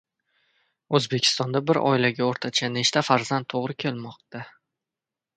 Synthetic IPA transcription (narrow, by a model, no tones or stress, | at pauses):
ɵzbe̞kʲʰɪ̥st̪ɒnd̪abɪɾɒ̰ɪlaɡʲaoɾt̪ʰat͡ʃʰane̞ʃt̪ʰafaɾzant̪ʰːoʁɾɪkʲʰe̞lmɒq̚t̪a